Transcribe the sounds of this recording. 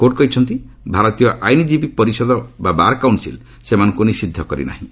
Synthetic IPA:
koʈ̚kɔɦit͡ʃʰɔnt̪i | bʱaɾɔt̪ijɔʔajnid͡ʒibik̚pɔɾisɔd̪ɔbabaɾkawɳʈsḭl | semanɔ̃ŋkunisid̪ʱːɔkɔɾḭna̰ɦĩ

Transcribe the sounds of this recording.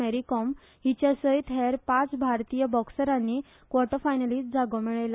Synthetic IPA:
eɾikɔm | ɦit͡ɕjasəjt̪ɦɛɾpãt͡sbʱaɾt̪ijəbɔksəɾanːi | kʋɔʈəfajnaliːst̚d͡zʱaɡɔmiɭajla

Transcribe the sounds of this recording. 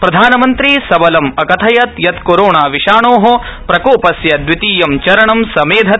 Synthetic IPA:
pɾɐd̪ʱaːnɐmɐnt̪ɾisɐbɐlɐmɐkɐt̪ʰɐjɐt̪jɐt̪koɾoːɳaːʋiʃaːɳoːɦo | pɾɐkoːpɐsjɐd̪ʋit̪iːjɐmt͡ʃɐɾɐɳɐmsɐmeːd̪ʱɐ

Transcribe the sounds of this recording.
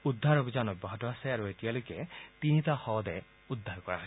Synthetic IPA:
udʱːaɹobʱizanɔjbɔɦɔtɔasɛaɹuetijalojkɛtinitaxɔd̪ɛ | ud̪ʱːaɹkɔɹa̰ɦɔj

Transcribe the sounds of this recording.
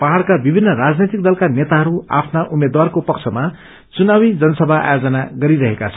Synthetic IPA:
paɦaɾkabibʱinːʌrad͡znit̪ik̚d̪ʌlkanet̪aɦʌɾua̰pʰnaʔumed̪warkopʌkt͡sʰʌma | t͡sunawid͡zʌnʌsʌbʱaʔa̰jod͡zʌnaɡʌɾiɾʌɦekat͡sʰʌ̥

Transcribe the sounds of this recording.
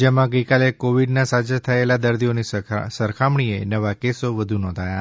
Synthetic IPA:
d͡ʒemãɡəjkalekoʋiɖnasad͡ʒat̪ʰəelad̪əɾd̪ʱionisəɾkʰamɳienəʋakesoʋəd̪ʱunɔ̃nd̪ʱaja

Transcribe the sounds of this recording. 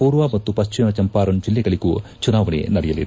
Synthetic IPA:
puːɾʋaːmɐt̪ːupɐst͡ʃimɐt͡ʃɐmpaːɾɐɳd͡ʒilːɛɡɐɭiɡut͡ʃunaːʋɐɳḛnɐɾɛjɐlḭd̪

